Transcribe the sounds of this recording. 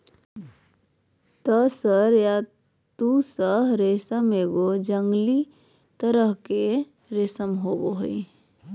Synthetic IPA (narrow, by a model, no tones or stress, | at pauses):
t̪əsəɾja | t̪usəɦɾesəmeːɡod͡ʒəŋɡli | t̪əɾəɦke | ɾesəmɦoːboɦḭ